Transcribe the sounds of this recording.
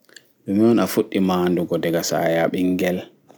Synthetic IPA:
ɗɛmiɔnafuɗːimaːnduɡɔdɛɡasa̰jaɓiŋɡɛl

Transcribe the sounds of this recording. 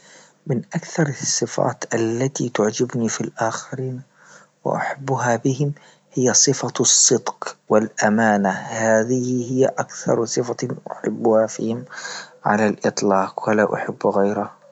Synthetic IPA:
mɪnʔakθɑɾˤsˤːɨfa̰ːt̪ʔalːat̪it̪ʊʕd͡ʒɪbnifilʔaːxɪɾiːn | wɪ̰ʔa̰ħabːʊɦabɪhɪm | hɪjːasˤɨfasˤːɨd̪qwɪlʔamaːnahaːðɪhɪhɪjːaʔakθɑ̰ɾˤsˤɨfaʔʊ̰ħɪ̰bːʊhafḭːhɪmʕa̰lalʔɨt̪ˤlɑːqwɪlaʔa̰ħɪbːɣajɾa

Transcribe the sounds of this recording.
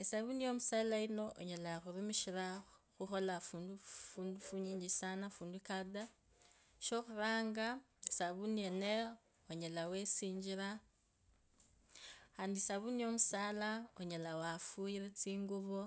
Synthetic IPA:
esaβunio̞musaːlaino̞ʔoɲelaxuɾumiʃiɾaxuxo̞lafundufuːndufuɲiːɲd͡ʒisanafuːndukada | ʃo̞xuɾaːŋɡa | esaβuniene | oɲelawe̞siːɲd͡ʒiɾa | xaːndisaβunio̞musaːlaoɲelawafuiɾet͡siːŋɡuβo

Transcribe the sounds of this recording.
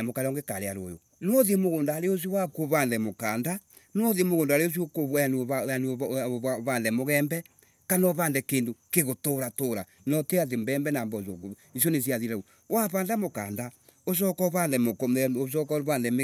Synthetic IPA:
mokaɾɔŋɡekaɾeaɾo̰jo̰ | nɔðemoɣoːndaːɾeos̬iowakoβaːndɛmokaːnda | nɔðiemoɣoːndaɾeos̬iokoβwanaan | βaːndɛmoɣɛːmbɛ | kanɔβaːndɛkeːndokeɣotoɾatoɾa | nɔteat̬embɛːmbɛnaːmbɔsoko | is̬jones̬iaðiɾau | waβaːndamoka̰ːnda | oʃ̬ɔkɔβanðɛmokmoʃ̬ɔkɔβaːnðɛme

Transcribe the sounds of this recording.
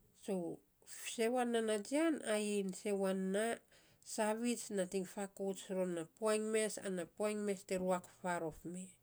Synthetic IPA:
so̞ | fse̞wanːanad͡ʒianainse̞wanːa | saβit͡ʃnatiŋfakosɾonːapoajŋme̞sa̰napoajŋme̞steɾuakfaɾo̞fme

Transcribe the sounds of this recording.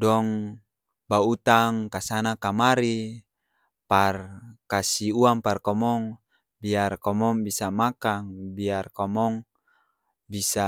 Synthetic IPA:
dɔŋ | baut̪aŋkasanakamaɾi | parkasiuaŋparkɔmɔŋ | biarkɔmɔŋbisamakaŋbiarkɔmɔŋ | bisa

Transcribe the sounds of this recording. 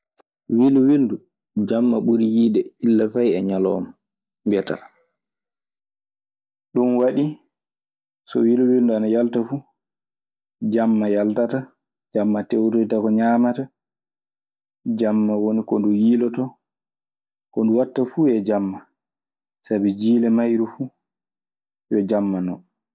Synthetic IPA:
wiluwildu | d͡ʒamːaɓuɾijiːɗɛilːafajɛɲalɔ̰m | ɡɛta̰ | ɗunwaɗi | sɔ̰wiluwilduanajaltafu | d͡ʒamːajaltata | d͡ʒamːatɛwtotakɔɲaːmata | d͡ʒamːawonikɔndujilɔtɔ | kɔnduwatːafuɛd͡ʒamːa | sabid͡ʒiːlɛmajɾufu | jɔd͡ʒamːanɔ

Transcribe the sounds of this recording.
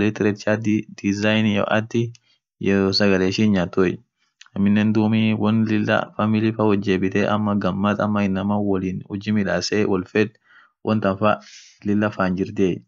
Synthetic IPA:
leːt̪ːɪɾɛt̪t͡ʃaːd̪ɪd̪̥ɪzajnjɔ̰ʔɐ̰t̪ːɪ | jɛɾoːsɐɡɐleːʃiːnɲaːt̪ːoj | ɐmːɪnːɛnd̪uːmiwɔnlɪlːɐ̰famɪlɪfawɔd͡ʒːeːbɪt̪eːʔɐ̰mːɐɡɐmːɐt̪ɐ̰mːɐɪnːɐmawɔliːnhʊd͡ʒːɪmɪᶑa̰ːseːwɔlfɛd̪ | wʔɔnt̪ɐnfalɪlːɐfaːnd͡ʒɪɾd̪eː

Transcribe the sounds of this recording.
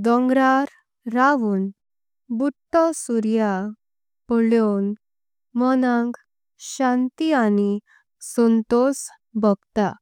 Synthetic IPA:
d̪ɔ̃ŋɡɾaɾ | ɾaʋuːn | buʈ̪ːɔsuɾja | pɔɭjon | mɔnãŋɡ | ɕãnt̪iani | sɔnt̪os | bɔɡt̪a

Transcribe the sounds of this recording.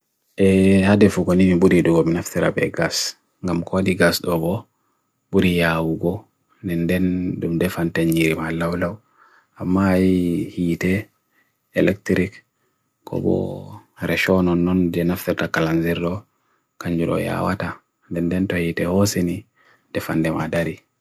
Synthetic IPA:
ʔɛhadɛfuɡoniniɓuɾiduɡɔminaftɛɾa̰bɛ̰ɡas | ŋɡamkʰodiɡasɗɔbɔ | ɓuɾijawuɡɔ | ndɛndɛndumdɛfantɛɲiɾimalawlaw | amːajihitɛ | ɛlɛktɾik | kʰɔ̰bɔ̰ɾɛʃɔnɔnːɔnd͡ʒɛnaft̪ɛɾtakalanziɾdɔ | kaɲd͡ʒuɾɔ̰ja̰wa̰ta | ndɛndɛntɔhitɛhɔseni | dɛfa̰ndɛma̰daɾi

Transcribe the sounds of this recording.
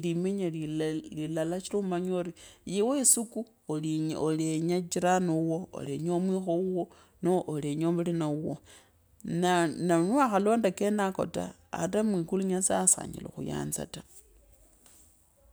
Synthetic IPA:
limeɲelilalat͡ʃilumaɲoɾijiweisuku | olioleɲat͡ʃiɾanowoo̰leɲomwiːxouwo | noʔoleɲomulinauwo̰ | nananuaxalo̞ːndakenako̞̰ta̰ː | tamwikuluɲasasa̰ɲḭlo̰xṵja̰ːnt͡sa̰ta

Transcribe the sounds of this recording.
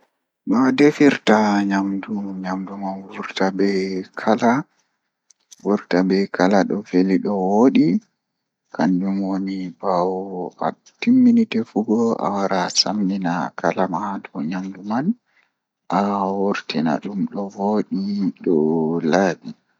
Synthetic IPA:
ɓadefiɾtaɲamduɲamdumanwuɾtabɛkʰala | wuɾtabɛkʰalaɗɔfeliɗɔwoɗi | kʰand͡ʒumwonibawa̰ | timːinitɛfuɡɔa̰waɾasamːinakʰalamhadɔɲamduman | ʔawuɾtina̰ɗumɗɔwoɗiɗɔlaːbi

